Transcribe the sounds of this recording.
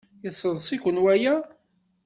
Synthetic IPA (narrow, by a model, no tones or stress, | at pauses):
jəsˤəðˤsˤikʷənwæjæ